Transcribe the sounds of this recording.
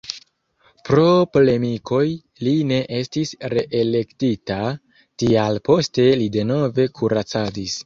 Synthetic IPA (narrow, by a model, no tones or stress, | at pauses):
pɾo̞pole̞miko̞j | line̞ʔe̞stisɾe̞ʔele̞ktita | tialpo̞ste̞lide̞no̞ve̞kʰuɾat͡sadis